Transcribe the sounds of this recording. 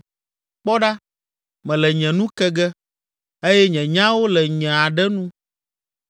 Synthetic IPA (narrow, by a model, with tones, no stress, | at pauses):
k͡pɔ˦ɖa˦ | mɛ̃˨lɛ˨ɲɛ̃˨nũ˦kɛ˦ɡɛ˦ | e˦jɛ˦ɲɛ̃˨ɲã˦wo˦lɛ˨ɲɛ̃˨a˨ɖɛ˦nũ˦